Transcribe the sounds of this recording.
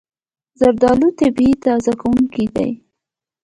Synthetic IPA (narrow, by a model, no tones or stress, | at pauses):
zaɾd̪ɑlut̪abiit̪ɑzakawuŋkid̪a̰j